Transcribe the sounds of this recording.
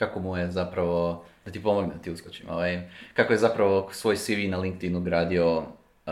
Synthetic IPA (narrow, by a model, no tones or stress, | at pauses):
kakomujezapɾaʋo̞d̪at̪ipo̞moɡned̪at̪iuskot͡ɕimoʋajkako̞jezapɾaʋo̞sʋo̞jsiʋinaliŋk̚t̪inuɡɾaːd̪io̞